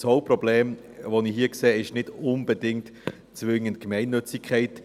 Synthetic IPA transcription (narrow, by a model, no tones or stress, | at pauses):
shoʊprɔblɛːm | ʋoniɦiːəkseːɪʃnɪd̥ʊnb̥ədɪŋt | t͡sʋɪŋənt̚kmɛɪnːʏt͡sɪkʰɛɪt